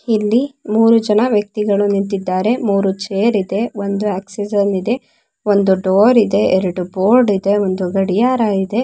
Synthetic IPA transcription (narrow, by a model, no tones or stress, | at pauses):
ilːimuːɾud͡ʒɐnɐʋjɐk̚t̪iɡɐɭunint̪id̪ːaːɾe̞muːɾut͡ʃeːɾid̪e̞ond̪uaːksid͡ʒɐnid̪e̞ | ond̪uɖoːɾid̪e̞ʔeɾɐɽuboːɾɖid̪e̞ond̪uɡɐɽijaːɾaːid̪e̞